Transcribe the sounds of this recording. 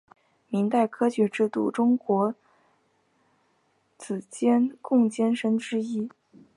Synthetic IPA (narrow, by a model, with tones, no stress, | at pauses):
mi˧˥ŋt̪a˥˩ɪkʰɤ˥t͡ɕɥɛ˧˥ʈ͡ʂɻ̩˥˧t̪ṵ˥˩ʈ͡ʂʊ˥ŋkwɔ˧˥ | t͡sʰɹ̩˨˩t͡ɕjɛ˥nkʊ˥˩ŋt͡ɕjɛ˥nʂə˥nʈ͡ʂɻ̩˥i˥